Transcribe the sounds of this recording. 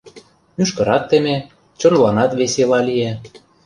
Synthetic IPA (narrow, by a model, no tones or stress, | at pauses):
myʃkɤ̆ɾɑt̪ːeme | t͡ɕŏnlɑnɑt̪βeselɑlije